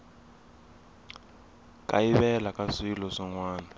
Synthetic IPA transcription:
kʼaiβɛlakʼasilɔsɔŋwaːna

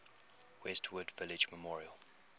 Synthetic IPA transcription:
wɛstʰwədvɪlɪd͡ʒməmɔɹiəl

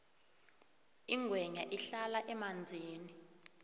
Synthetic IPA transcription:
iŋɡʱwɛɲaʔiɬalaʔɛmand͡zʱiːni

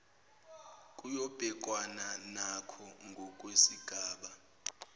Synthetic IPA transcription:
kʼujɔb̥ʱɛk̬ʼwananakʰɔŋɡʱɔk̬ʼwesiɡ̥ʱaːɓa

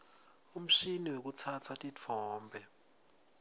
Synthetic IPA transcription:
um̩ʃiniwek̬ut͡sʰat͡sʰatʼit͡fʰɔːmbʱɛ

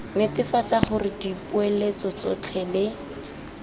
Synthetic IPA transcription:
nɪtɪfat͡saχʊrɪdipʊelet͡sɔt͡sɔt͡ɬʰɛlɪ

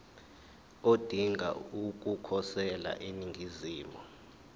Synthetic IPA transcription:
od̥ʱiŋʱa̰uk̬ʼukʰɔsɛla̰ʔeniŋʱiziːmɔ

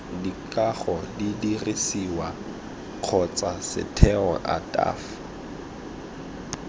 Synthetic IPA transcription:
dikʼaχɔdidirisiwa | q͡χʰɔt͡sʼasɪ̰tʰɛɔʔa̰tʼa̰ːf

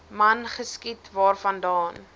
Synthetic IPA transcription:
mɐnχəskitvɑːrfɐndɑːn

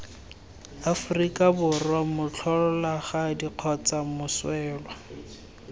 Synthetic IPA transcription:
afʊrikʼabʊrwamʊt͡ɬʰɔlɔlaχadiq͡χʰɔt͡sʼamʊswɛːlwa

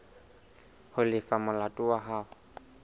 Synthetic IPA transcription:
hʊlɪfamʊlatʼʊwaɦaːʊ

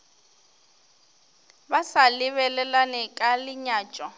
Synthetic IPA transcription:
basalɪβɛlɛlanɛkʼalɪɲaːt͡ʃʼɔ

